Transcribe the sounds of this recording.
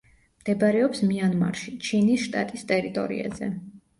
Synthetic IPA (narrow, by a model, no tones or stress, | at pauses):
md̪̥ɛbaɾɛɔpsmianma̰ɾʃit͡ʃʰinisʃt̪ʼat̪ʼist̪ʼɛɾit̪ʼɔ̰ɾḭa̰zɛ̰